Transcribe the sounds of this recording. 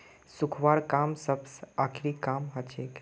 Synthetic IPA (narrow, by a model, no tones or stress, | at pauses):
sʊkʰʋaːɾkaːmsəbsaːkʰɾikaːmɦɐt͡ʃʰeːk